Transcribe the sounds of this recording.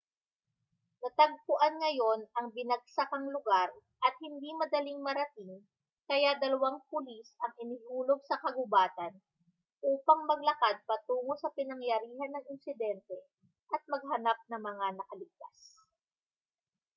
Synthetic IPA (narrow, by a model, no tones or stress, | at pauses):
nɐt̪ɐɡ̚pʊʔanŋɐjo̞nɐŋbɪnɐɡ̚sakɐŋlʊɡaɾ | ʔɐt̪̚hɪnd̪imɐd̪ɐliŋmɐɾɐt̪iŋ | kɐjad̪ɐlɐwaŋpʊlisɐŋɪnɪhuːlo̞ɡ̚sɐkɐɡʊbaːt̪ɐn | ʔuːpɐŋmɐɡ̚lɐkad̪̚pɐt̪uːŋo̞sɐpɪnɐŋjɐɾiːɦɐnːɐŋɪnsɪd̪ɛnt̪ɛ | ʔɐt̪̚mɐɡ̚ɦɐnap̚nɐŋmɐŋanɐkɐlɪɡ̚t̪as